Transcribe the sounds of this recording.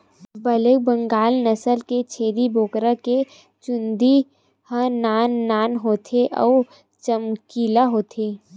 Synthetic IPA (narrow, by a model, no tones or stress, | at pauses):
bələk̚bə̃ŋɡaːlnəsəlket͡ʃʰeːɾiboːkɾake | t͡ʃʊ̃nd̪i | hə̃naːnːaːnɦoːt̪ʰeʔɔ̰ː | t͡ʃəmkiːlaɦoːt̪ʰeː